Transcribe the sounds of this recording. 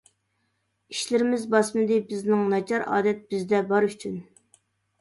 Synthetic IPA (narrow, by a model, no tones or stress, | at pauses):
iʃlɪɾɪmɪzbɑsmɨd̪ɪbɪznɪŋnɑt͡ʃʰɑɾɑ̰ːd̪ɛt̪̚b̥ɪzd̪ɛbɑɾyt͡ʃʰyn